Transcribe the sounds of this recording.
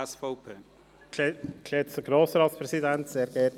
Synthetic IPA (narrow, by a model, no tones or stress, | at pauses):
sfopʰeː | kʰletsəɡ̥ɾoːsɾɑːt̪spɾɛsidɛntseːɾɡ̥ɛːt